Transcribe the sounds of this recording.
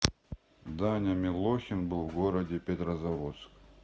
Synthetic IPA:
d̪anʲamʲɪlˠoxʲɪnbɨlˠvɡoɾɐdʲepʲet̪ɾɐzɐvot̪sk

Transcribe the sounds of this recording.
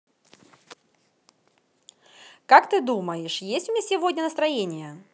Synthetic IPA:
kakt̪ɨd̪uməjɪʂjesʲtʲʊmʲasʲɪvodʲnʲənəst̪ɾɐjenʲɪjə

